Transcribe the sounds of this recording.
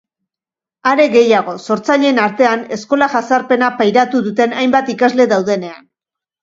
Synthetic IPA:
aɾe̞ɣe̞jaɣ̞o̞so̞ɾt͡saʎe̞ːnaɾt̪e̞ane̞sko̞laʝasaɾpe̞napajɾat̪uðut̪e̞najmbat̪ikazle̞ðawðe̞ne̞an

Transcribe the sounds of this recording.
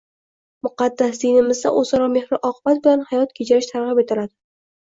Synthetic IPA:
mʊqɑd̪ːasd̪inɪmɪzd̪a̰ʔozɑɾɒme̞hɾɪʔɒqʰɨbat̪̚bɪlanhajɒt̪̚kʲʰet͡ʃʰaɾɪʃt̪ʰaɾʁɨpe̞t̪ʰɪlad̪ɪ

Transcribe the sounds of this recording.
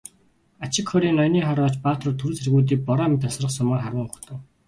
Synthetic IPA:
at͡ɕɪ̆kχɔɾiːnɔjniːχaɾɔːt͡ɕpaːt̪ə̆rt̪ʰɵɾ̆serɣuːt̪̬iːk̚pɔɾaːmɪt̪ʰasrə̆qsʊmaːrχaɾə̆ŋʊxt̪ʰə̆w

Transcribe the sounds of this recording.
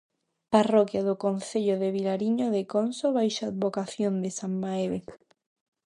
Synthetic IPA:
parokjaðʊkonθeʎoðeβ̞ilaɾiɲoðekonsoβajʃaːd̪̚βokaθjond̪esammaeβe

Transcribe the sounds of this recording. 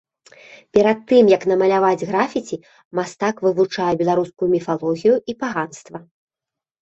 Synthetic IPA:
pʲɛɾat̪ːɨmjɐkn̪ɐmɐlʲavad͡zʲɣɾafʲit͡sʲi | mast̪akvɨvut͡ʂajɛbʲɛlˠaɾuskujumʲifalˠɔɣʲijuipaɣanst̪vɐ

